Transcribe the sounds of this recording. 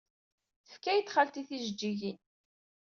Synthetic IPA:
θəfkæjt̪ːχalt̪iθiʒəd͡ʒːiʝin

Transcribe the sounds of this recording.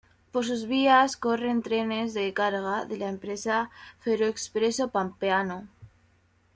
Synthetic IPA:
po̞ɾsuzβiasko̞re̞nt̪ɾe̞ne̞zðe̞kaɾɣaðelaempɾe̞safeɾoekspɾe̞so̞pampeano

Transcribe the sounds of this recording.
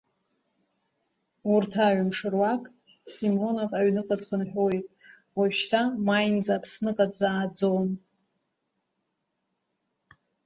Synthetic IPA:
urtʰaʕmʂɨrwakʼ | simo̞novaɥnɨqʼadχənħʷᶣojtʼ | waɥʃtʰamajnd͡zaːpʰsnɨqʼadzaːd͡zown

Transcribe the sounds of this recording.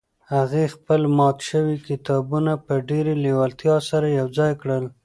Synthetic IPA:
haɣexpəlmɑt̪ʃəwikɪt̪ɑbunapəɖeɾelewalt̪jɑsaɾajawd͡zɑjkɽəl

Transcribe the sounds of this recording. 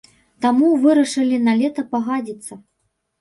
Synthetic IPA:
t̪amuvɨɾɐʂɨlʲinalʲɛt̪ɐpaɣad͡zʲit̪sːɐ

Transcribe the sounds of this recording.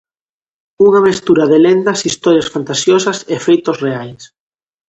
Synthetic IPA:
uŋɐmest̪uɾɐðelend̪ɐsist̪ɔɾjasfant̪asjɔsɐsefejt̪osreajs

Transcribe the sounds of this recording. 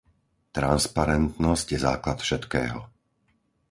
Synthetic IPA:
t̪ɾanspaɾɛnt̪nɔscjɛza̰ːklat̪fʃɛt̪kɛ̰ːɦɔ̰

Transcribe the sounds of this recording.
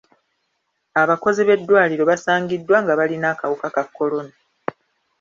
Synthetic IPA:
aβako̞ziβe̞dːwaːliɾo̞βasaːŋɡidːwaŋɡaβalinaːkawukakakːo̞lo̞na

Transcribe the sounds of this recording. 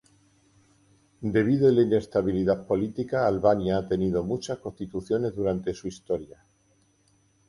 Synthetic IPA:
d̪e̞β̞iðoelaine̞st̪aβiliðapo̞lit̪ikaːlβanjaat̪e̞niðo̞mut͡ʃasko̞st̪it̪uθjo̞ne̞zðuɾant̪e̞suist̪o̞ɾja

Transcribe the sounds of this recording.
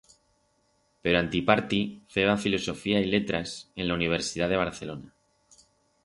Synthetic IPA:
pe̞ɾoant̪ipaɾt̪iθe̞β̞afiloso̞fiaile̞t̪ɾasẽ̞nlauniβ̞e̞ɾsiðaðe̞β̞aɾθe̞lo̞na

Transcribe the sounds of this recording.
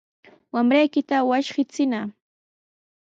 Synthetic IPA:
wamɾajkɪt̪awaʃɢɪt͡sɪna

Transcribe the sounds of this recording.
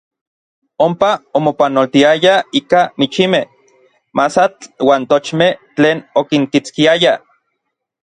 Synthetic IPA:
ompaomopanolt̪iajaiːkamit͡ʃimeh | masat͡ɬwaːnt̪ot͡ʃmeht͡ɬeːnokiŋkit͡skiaja

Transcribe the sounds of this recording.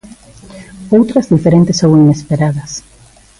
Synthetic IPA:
owt̪ɾɐzðifeɾẽnt̪ɪsowinespeɾaðɐs

